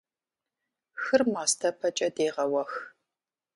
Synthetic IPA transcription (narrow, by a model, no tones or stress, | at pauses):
xɨrmaːstʰɐpʰɐt͡ʃʼɐdeːʁɐwɐx